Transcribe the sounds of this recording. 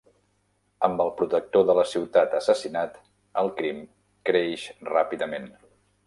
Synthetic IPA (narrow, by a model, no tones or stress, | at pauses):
əmbəlˠpɾut̪ək̚t̪oðələsiwt̪at̪əsəsinat̪ | əlˠkɾim | kɾeʃrapiðəmen